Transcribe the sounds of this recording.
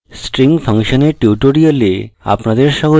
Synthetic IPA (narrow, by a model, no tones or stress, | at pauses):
sʈɾiŋpʰaŋʃoneʈjuʈoɾiolea̰pnad̪eɾʃɔɡo